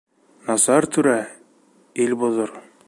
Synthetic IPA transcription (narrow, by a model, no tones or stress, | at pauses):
nɑsɑɾt̪ʉɾæ | ilbuðoɾ